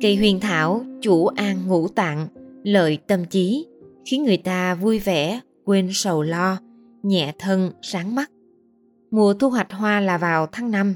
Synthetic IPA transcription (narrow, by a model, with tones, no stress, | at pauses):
kə˧˩jɦwḭ˨˩ənt̪ʰaː˧˩wt͡ɕu˧˩ʔaː˧ŋŋṵ˧˥t̪a̰ː˧˨ŋlə̰ː˧˨jt̪ə˧mt͡ɕi˨˦xi˨˦ənŋɨ˨˩əjt̪aː˧vu˧jvɛ˧˩ | kwe˧nsə˨˩wlɔ˧ | ɲɛ̰˧˨t̪ʰə˧nsaː˨˦ŋma˦˥t̚ | mu˨˩ət̪ʰu˧ɦwa˨˩jk̚ɦwaː˧laː˨˩vaː˨˩wt̪ʰaː˨˦ŋna˧m